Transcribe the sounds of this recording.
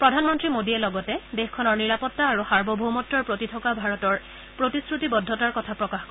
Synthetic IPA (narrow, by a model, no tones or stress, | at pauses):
pɹɔdʱanmɔntɹimodiɛlɔɡɔtɛdexkʰɔnɔɹniɹapɔtːaːɹuxaɹbʱɔbʱomɔtːɔɹpɹotitʰɔkabʱaɹɔtɔɹ | pɹotiskɹutibɔdʱːɔtaɹkɔtʰapɹɔkaxkɔ